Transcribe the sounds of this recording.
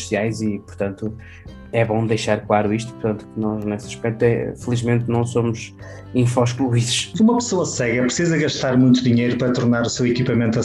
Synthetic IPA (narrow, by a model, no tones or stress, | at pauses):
siajzipuɾt̪ɐ̃nt̪u | ɛβõd̪ɐjʃaɾkwaɾuiʃt̪u̥puɾt̪ɐ̃nt̪u̥kɨnɔʒnesɐʃpɛk̚t̪uɛ̰fɨlˠiʒmẽnt̪nɐ̃w̃somuz | ĩfɔʃklˠuiðʃumɐpsoɐsɛɣɐpɾsizɐɣɐʃt̪aɾmũj̃t̪uðiɲejɾupɐɾɐt̪uɾnaɾusewikipɐmẽnt̪ɐ